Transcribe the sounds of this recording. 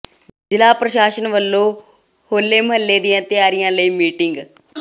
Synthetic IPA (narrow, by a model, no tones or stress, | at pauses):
d͡ʒɪlaːpɾəʃaːʃənʋəlːoː | hoːlːeːməɦəlːeːd̪ijãːt̪ɪjaːɾɪjãːləiːmiːʈɪŋɡ